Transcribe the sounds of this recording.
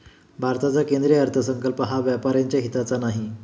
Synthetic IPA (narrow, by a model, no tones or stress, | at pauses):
bʱaɾt̪at͡sakend̪ɾeəɾt̪ʰəsəŋkəlpəɦaʋjapaɾjaɲt͡ɕjaɦit̪at͡sanaɦi